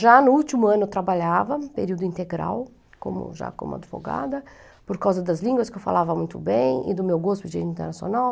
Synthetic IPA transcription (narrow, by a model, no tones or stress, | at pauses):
ʒanʊut͡ʃ̪imʊɐ̃nʊt̪ɾabaʎavɐpeɾiwd̪ʊĩnt̪eɡɾa̰w | kõ̰mʊ̰ʒa̰kõ̰mʊ̰a̰d͡ʒ̪ivo̰ɡa̰d̪ɐ | poɾkawzɐd̪ɐzlĩŋɡwɐskɪewfa̰lavɐmũj̃t̪ʊbẽj̃ɪ̰d̪ʊmewɡospʊd͡ʒiḛ̃ĩt̪eɾnasjo̰naw